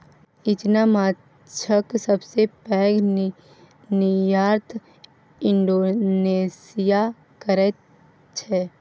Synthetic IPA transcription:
ɪt͡ʃnamaː | t͡ʃʰəksəbsepɛɡ | nijaːɾt̪ʰ | ɪ̃ɳɖoːneːsija | kəɾɛ | t͡ʃʰɛ

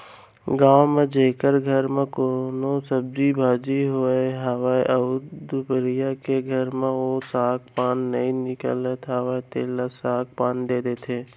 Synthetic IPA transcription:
ɡãːwmẽd͡ʒeːkəɾɡʱəɾmẽkoːnosəb̚d͡ʒibʱaːd͡ʒiɦoeɦaʋaːeʔəʊd̪ubəɾijakeɡʱəɾmẽosaːk̚paːnːəĩnɪkə̰lət̪ɦaʋaːit̪eːlasaːk̚paːnd̪eːd̪eːt̪ʰeː

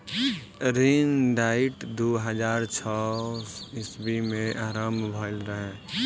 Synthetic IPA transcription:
ɾinɖaːɪʈd̪oɦəd͡ʒaːɾt͡ʃʰɔ | ɪsbimẽʔaːɾəmbʱɔlɾəɦɛ̃ː

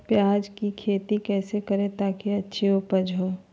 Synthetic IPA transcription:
pjaːd͡ʒkikʰeːt̪ikɛːsekɐɾẽt̪aːkiɐtːʃʰiopəd͡ʒɦoː

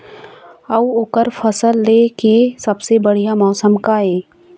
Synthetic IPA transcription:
əuoːkəɾpʰəsəlːeːkesɐbsebəɽ̤ijamɔːsəmkaɦeː

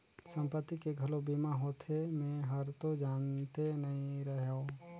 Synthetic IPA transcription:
sə̃mpət̪ːikeɡʱɐlobimaɦoːt̪ʰemẽɦəɾt̪od͡ʒaːnt̪enɐɦĩɾəɦoː

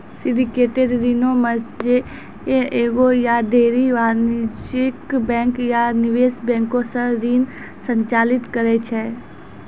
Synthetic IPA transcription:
sɪɖɪkeːʈeɖɾiːnõməsd͡ʒe | eeːɡojad̪eːɾiʋaːɾnt͡ʃɪkbɛ̃ːŋkjanɪʋeːsbɛ̃ːŋkosəɾiːn | sə̃ɲt͡ʃaːlɪt̪kəɾet͡ʃʰɛː

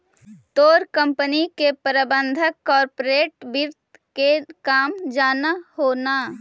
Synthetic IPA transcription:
t̪oːɾkə̃mpənikepəɾəbə̃nd̪ʱəkːɔːɾpoɾeːʈ̚bɪɾt̪ | kekaːmd͡ʒaːnahoːnaː

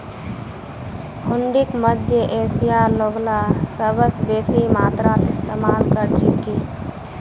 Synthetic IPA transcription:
huɳɖikməd̪ʱjəʔesijaɾloɡlasəbəsbesimat̪ɾat̪ɪst̪emalkəɾt͡ʃʰilki

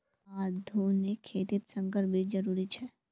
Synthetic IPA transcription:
aːd̪ʱunikʰːeːt̪ɪt̪sɐ̃ŋɡəɾbʱid͡ʒɐɾuːɾit͡ʃʰɛː

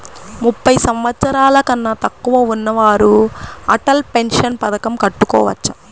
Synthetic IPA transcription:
mupːɐjsɐmʋɐt̪sɐɾaːlɐkɐnːɐt̪ɐkːuʋɐunːɐʋaːɾuɐʈɐlpe̞nʂɐnpɐd̪ɐkɐmkɐʈːukɔ̰ːʋɐ̰t͡ʃːɐ̥

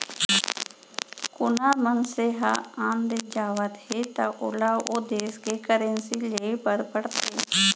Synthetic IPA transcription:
kʊnaːmənseːɦa̰ːãːnd̪eːd͡ʒaːʋət̪heːt̪aʔʊ̰laːod̪eːskekəɾẽnsiːleːpəɾpəɽt̪eː

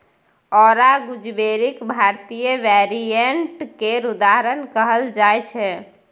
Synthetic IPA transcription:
ɔɾaɡud͡ʒbeɾikbʱaɾt̪ijəʋɛɾieɳʈkeɾud̪aɦɾənkəɦəld͡ʒajt͡ʃʰɛ

